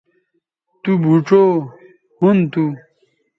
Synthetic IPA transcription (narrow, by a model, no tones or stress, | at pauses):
t̪ubʱuʈ͡ʂoː | hunt̪u